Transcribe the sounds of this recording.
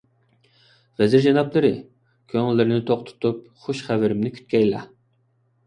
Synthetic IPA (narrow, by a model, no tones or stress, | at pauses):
vɛzɪɾd͡ʒɑnɑplˠɨɾɪ | kʲʰøŋɪlːɪɾɪnɪt̪ʰoχt̪ʰʊ̥t̪ʰup̚ | χoʃχævɪɾɪmnɪkʲʰy̥t̪̚kʲɛjlɑ̰